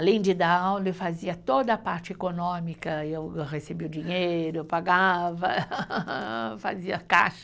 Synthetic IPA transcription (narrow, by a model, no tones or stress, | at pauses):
alẽj̃d͡ʒɪd̪aawlɐewfaziɐt̪od̪ɐapaɾt͡ʃɪekonõmikɐewʁesebiʊd͡ʒĩɲejɾʊepaɡavɐ | fa̰ziɐka̰ʃɐ̥